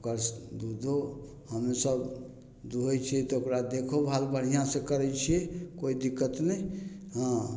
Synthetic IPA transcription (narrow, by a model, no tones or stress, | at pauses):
kəɾsd̪ud̪ʱo | ɦəmesəb | d̪uɦet͡ʃʰiɛt̪ɔokɾad̪ekʰobʱalbəɽ̤ijãsẽkəɾɛt͡ʃʰiekoid̪ikːət̪nəiɦə̃